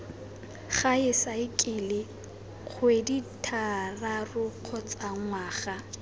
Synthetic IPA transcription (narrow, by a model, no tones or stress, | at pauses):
χaɪsaɪkʼɪlɪ | q͡χʰweditʰararʊq͡χʰɔt͡sʼaŋ̩waːχa